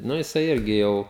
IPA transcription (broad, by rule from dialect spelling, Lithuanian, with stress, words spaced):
ˈnʊ jɪˈsɐɪ ˈɪrʲɡʲɪ ˈjɛʊ